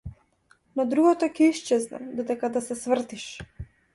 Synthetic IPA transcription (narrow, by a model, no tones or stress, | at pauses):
nɔd̪ɾuɡɔt̪ɔcɛiʃt͡ʃɛznɛ̰d̪ɔd̪ɛkad̪asɛsvr̩t̪iʃ